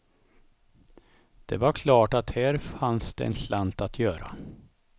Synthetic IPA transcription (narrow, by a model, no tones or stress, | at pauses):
d̪̥ɛvaɾkʰlɑːʈat̪hæːɾfansd̪̥ɛ̰ɛ̰nslant̪at̪ʰjœːɾa̰